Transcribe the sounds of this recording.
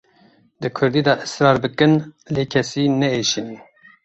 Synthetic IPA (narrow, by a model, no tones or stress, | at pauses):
d̪ɨkʰʊɾd̪iːd̪ɛʔɨsɾɑːɾbɨkɨnleːkʰɛsiːnɛeːʃini